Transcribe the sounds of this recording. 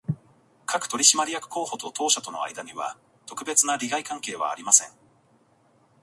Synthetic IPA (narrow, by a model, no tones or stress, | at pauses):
kʰakɯ̟̥t̪o̞ɾʲiɕimaɾʲijakɯ̟̥ko̞ːho̞t̪o̞t̪ʰo̞ːɕat̪o̞no̞̰a̰id̪aɲ̟iβa̰ | t̪o̞kɯ̟be̞t͡sɨnaɾʲiɡaikãŋke̞ːβ̞a̰ːɾʲimasẽ̞ŋ